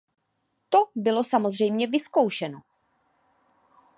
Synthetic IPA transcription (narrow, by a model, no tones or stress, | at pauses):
t̪o̞bɪlo̞samozr̝ɛjmɲɛvɪsko̞wʃɛno